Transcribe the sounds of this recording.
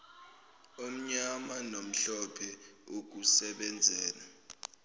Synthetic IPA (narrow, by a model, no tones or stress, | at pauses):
om̩ɲamanom̩ɬɔpʰɛok̬usɛɓɛnd͡zʱɛːna